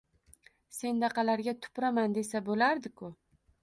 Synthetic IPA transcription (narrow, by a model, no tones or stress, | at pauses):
se̞nd̪ɑqʰɑlaɾɡʲat̪ʰʊ̥pɾamand̪e̞sabolaɾd̪ɪkʰʊ